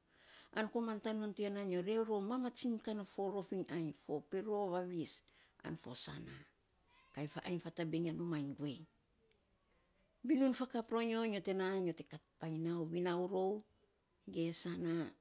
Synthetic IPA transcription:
a̰nko̞mantanuntuanaɲo̞ɾe̞wɾo̞wmamat͡ʃinkanofo̞ɾo̞fiŋajfo̞peɾo̞βaβisa̰nfo̞̰sa̰na | kajnfaʔajnfatabeŋanumajŋɡue̞j | βinunfakapɾoɲo̞ɲo̞te̞naɲo̞te̞katpajnawβinawɾo̞w | ɡe̞sana

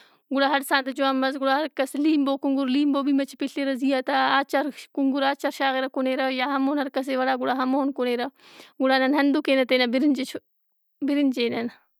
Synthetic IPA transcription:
ɡuɽaːɦɐɾsaːnt̪d͡ʒuaːmmɐzɡuɽaɦɐɾkɐsliːmboːkuŋɡuɾliːmboːbiːmɐt͡ʃʰpiɬeɾɐzijat̪aaːt͡ʃɐɾkuŋɡuɾaːt͡ʃɐɾʃaːɣeɾɐkoneːɾɐjaːɦɐmoːnɦɐɾkɐs̬eʋɐɽaːɡuɽaːɦɐmoːnkoneːɾɐ | ɡuɽaːnɐnɦɐnd̪ukeːnɐt̪eːnɐbiɾind͡ʒe | biɾind͡ʒeːnɐn

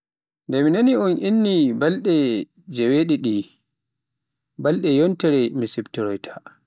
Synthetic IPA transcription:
ndɛminaniɔnʔinːibalɗɛ | d͡ʒɛweɗiɗi | balɗɛjɔntɛɾɛmisibtɛɾɔjtʰḁ

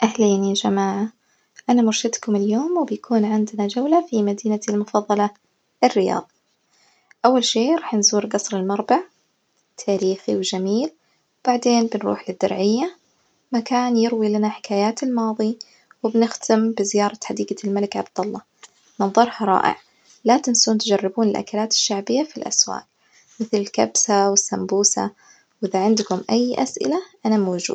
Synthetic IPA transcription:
ʔahliːniad͡ʒamaːʕa | ʔanamʊɾʃɪd̪kʊmɪljoːmwɪbjakʰuːnʕɪnd̪nad͡ʒawlafimad̪iːnaalmʊfɑðˤːɑlɑ | ɪrːɪjɑ̰ːðˤi | ʔawːalʃeːɾˤɑːħnzuːɾɡɑsˤɾɪlmɑɾˤbaʕ | t̪ʰaːɾiːxiwd͡ʒamiːl | wb̥aʕd̪eːnbɪnɾṵːħlɪd̪ːʊ̰ɾʕɪjːa | makaːnjɪɾwilanaħɪ̥kaːjaːt̪ɪlmɑːðˤi | wɪbnɪxt̪ʰɪmbɪzɪjɑːɾˤɑħad̪iːɡalmalɪkʕab̚d̪ɑlˤːɑ | mɪnðˤɑɾˤhɑɾˤɑ̰ːʔɪ̰ʕ | lat̪ɪnsuːnt̪d͡ʒarˤːɪbuːnɪlʔa̰kalaːt̪ɪ̥ʃːaʕbɪjːafilʔa̰swa̰ːk | mɪθlɪlkabsawɪsːambuːsa̰ | wʔɪðaʕɪnd̪kʊmʔajːʔa̰sʔɪ̰laʔanamoːʒṵː

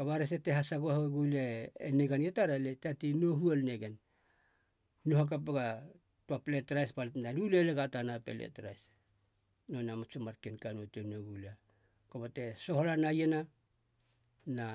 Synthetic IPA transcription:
kaβaɾes̬eteɦasaɡohaɡuleeneɡanetaɾaletatinoɦuelneɡen | nuɦak̬apeɡa | tuapletɾajspaltnaluleleɡatanapḛlḛtɾa̰js | nonamat͡ʃomaɾkenkanotenoɡula | kobate̞so̞holanajena | na

